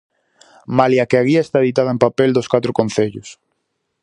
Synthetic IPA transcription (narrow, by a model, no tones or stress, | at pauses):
maljakeaɣiɐest̪aeðit̪aðaẽmpapeld̪oʊskat̪ɾʊkon̟θeʎʊs